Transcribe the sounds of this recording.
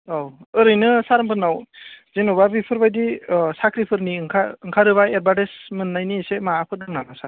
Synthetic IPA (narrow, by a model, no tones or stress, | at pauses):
awɯɾɯjnɯsaɾampʰɯɾnawzenubabipʰɯɾbajdisakʰɾipʰɯɾniɯŋkʰaɯŋkʰaɾɯβajeɾbadesmɯnːajnisemaːpʰɯɾdɯŋnamasa